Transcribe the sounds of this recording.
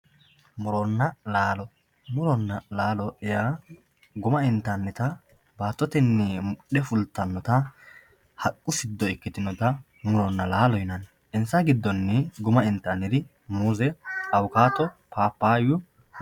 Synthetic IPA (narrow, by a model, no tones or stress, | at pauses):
mʊɾɔnːɐlaːlɔ | mʊɾɔnːɐlaːlɔɛjaː | ɡʊmɐɪnt̪ːɐnːɛt̪ɐ | baːt̪ːɔt̪ɛnːɛmʊɗɛfʊlt̪ːɐnːɔt̪ɐ | hɐkʼːʊsɪd̪ːɔɪkːɪt̪ɪnːɔt̪ɐ | mʊɾɔnːɐlaːlɔjɪnɐn | ɛnsɐɡɪd̪ːɔnːɛɡʊmɐɪnt̪ːɐnːɪd̪ɪ | muːzɛɐwkaːt̪ɔpaːpːaːjʊ